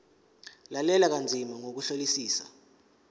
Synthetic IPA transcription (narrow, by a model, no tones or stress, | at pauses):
lalɛlak̬and͡zʱimaŋok̬uɬolisiːsa